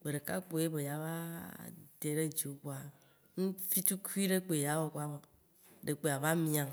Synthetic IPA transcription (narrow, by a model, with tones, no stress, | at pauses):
k͡pe˨ɾe˨ka˦k͡po˨˦je˦be˨ja˨va˦ | de˨ɾe˦d͡ʒi˨o˨kwa˨ | ŋu˦fi˦tu˦ku˦i˦ɖe˦k͡pe˨ja˨˦wo˦kʷa˦bo˨ | ɖe˨k͡pe˨a˨va˦mĩ˦a˨ŋ